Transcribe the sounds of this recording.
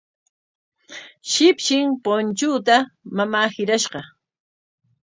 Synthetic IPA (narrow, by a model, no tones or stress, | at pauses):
ʃɪpʃɪŋpont͡ʃʊːt̪amamaːhɪɾaʃɢɑ